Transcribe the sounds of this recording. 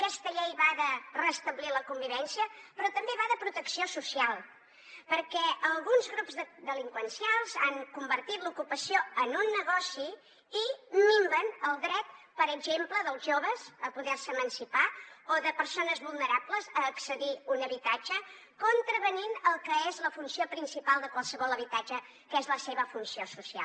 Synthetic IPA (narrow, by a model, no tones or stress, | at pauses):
əkɛst̪əʎejβaðərəst̪əβliləkumbiβɛnsiəpɾɔt̪əmbeβaðəpɾut̪əksiosusialˠ | pəɾkɛəlˠɣunzɣɾupzðəd̪əliŋkwənsijalˠzaŋkumbəɾt̪it̪lukupəsioənunːəɣɔsiː | miŋbənəlˠd̪ɾɛt̪̚ | pəɾəɡʒempləðəlˠzʒoβəzəpuðɛrsəmənsipaoðəpəɾsonəzβulˠnəɾapləzəːksəðiunəβit̪ad͡ʒə | kont̪ɾəβəninəlˠkəezləfunsiopɾinsipalˠd̪əkwalˠsəβɔlˠəβit̪ad͡ʒə | kəezləseβəfunsiosusia̰